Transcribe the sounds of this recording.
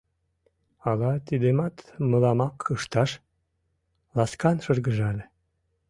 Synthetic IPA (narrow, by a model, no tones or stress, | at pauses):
ɑlɑt̪id̪emɑt̪məlɑmɑkʰəʃt̪ɑʃ | lɑskɑnʃərɣəʒɑlʲe